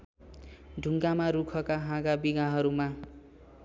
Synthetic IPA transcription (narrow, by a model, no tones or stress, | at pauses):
ɖʱuŋɡamaɾukʰʌkaɦãɡabiɡaɦʌɾuma